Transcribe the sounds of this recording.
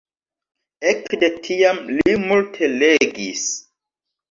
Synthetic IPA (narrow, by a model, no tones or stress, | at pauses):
ekdetʰiamlimultʰe̞leɡis